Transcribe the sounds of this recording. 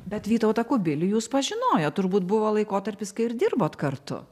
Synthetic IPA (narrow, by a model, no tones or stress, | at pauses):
bʲɛt̪ʋʲiːt̪ɐʊt̪ɐkʊbʲɪlʲʊjuːspɐʒʲɪnoːjoːtt̪ʊɾbuːt̪bʊʋoːlˠɐɪkoːt̪ɐɾʲpʲɪskɐɪɪɾd̪ʲɪrboːt̪kɐrt̪ʊ̰